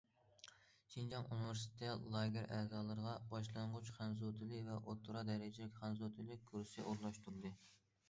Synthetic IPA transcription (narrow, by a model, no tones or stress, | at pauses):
ʃʰind͡ʒɑŋunɪvɪɾst̪ʰɪlˠɑːɡʲɪɾɛːzɑːlˠɨɾəʁɑbɑʃlˠɑɴʁʊt͡ʃχʰɑnzut̪ʰɪlɪvɛʔot̪ʰːɾɑd̪ɛɾɪd͡ʒilɪkʲχænzut̪ʰɨlɪk̚ʲkʰːuɾsɪʔoɾlˠɑʃt̪ʰuɾɨd̪ɨ